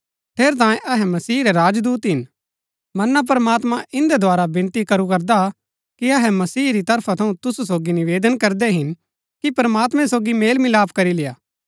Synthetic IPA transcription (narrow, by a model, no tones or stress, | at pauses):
t̪ʰeːɾt̪̬ãːjẽʔɐɦɛmɐsiːɾɛɾaːd͡ʒd̪uːt̪ɦɪn | mɐnːap̬ɾəmaːt̪mãʔɪ̃nd̪ɛd̪ʱoaːɾabɪ̃nt̪ikɐɾukɐɾd̪a | kiɐɦɛmɐsiːɾit̪ɐɾpʰat̪ʰɐũt̪ʊsusoːɡinɪʋeːd̪ənkɐɾd̪ɛɦɪn | kipɾəmaːt̪mɛ̃soːɡimeːlmɪlaːpʰkɐɾilɪjaː